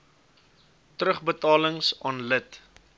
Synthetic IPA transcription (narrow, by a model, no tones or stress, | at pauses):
trəχbətɑːləŋsɑːnlət